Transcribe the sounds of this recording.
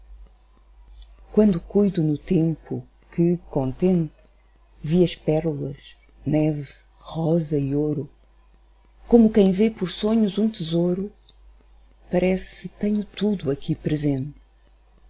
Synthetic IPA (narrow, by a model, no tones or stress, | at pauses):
kwɐ̃nd̪ukujðunut̪ẽmpṵ | kɨkõnt̪ẽnt̪ɨ | viɐʃpɛɾlˠɐʃ | nɛvɨ | ʁɔzɐioɾu | komukɐ̃j̃vepɔɾsoɲuzũt̪ɨzoɾu | pɐɾɛst̪ɛɲut̪uðuɐkipɾɨzẽnt̪